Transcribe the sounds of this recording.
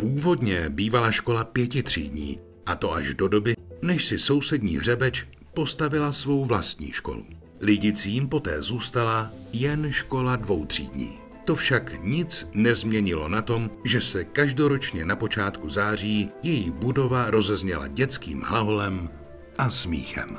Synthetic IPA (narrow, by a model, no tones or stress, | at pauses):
puːvo̞dɲɛbiːvalaʃko̞lapjɛcɪt̪r̝̥ḭːdɲḭː | ʔat̪o̞ʔa̰ʒdo̞do̞bɪnɛʃsɪso̞wsɛdɲḭːɦr̝ɛbɛt͡ʃ | po̞st̪avɪlasvo̞wvlast̪ɲḭːʃko̞̰lṵ | lɪɟɪt͡siːmpo̞t̪ɛ̰ːzuːst̪alajɛnʃko̞ladvo̞wt̪r̝̥ḭːdɲḭː | t̪ofʃakɲɪt͡snɛzmɲɛɲɪlo̞nat̪o̞mʒɛsɛkaʒdo̞ɾo̞t͡ʃɲɛnapo̞t͡ʃaːt̪kuzaːr̝iːjɛjibudo̞vaɾo̞zɛzɲɛla̰ɟɛt͡skḭːmɦlaɦolɛm | ʔasmḭːxɛ̰m